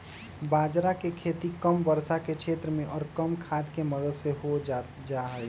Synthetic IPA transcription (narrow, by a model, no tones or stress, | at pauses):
bad͡ʒɾakekʰet̪ikəmbəɾsakekʃʰet̪ɾəmẽʔɔːɾkəmkʰad̪keməd̪əd̪seɦo | d͡ʒaɦə